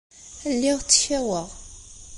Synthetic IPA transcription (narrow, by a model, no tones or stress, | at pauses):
lːiʁt͡sːə̥çæwəʁ